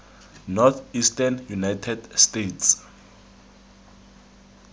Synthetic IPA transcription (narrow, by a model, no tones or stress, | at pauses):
nɔt̪ʰistanjunajtʰɛdstetʰs